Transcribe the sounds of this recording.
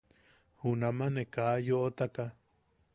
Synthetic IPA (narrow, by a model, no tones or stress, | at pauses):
hunamanekaʔjoʔot̪aka